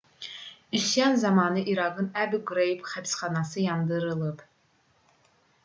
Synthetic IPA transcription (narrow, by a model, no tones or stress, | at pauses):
ysjɑnzɑmɑnɯʔiɾɑɡɯnæbuɡuɾejipχæpsχɑnɑsɯjɑnd̪ɯɾɯlˠɯp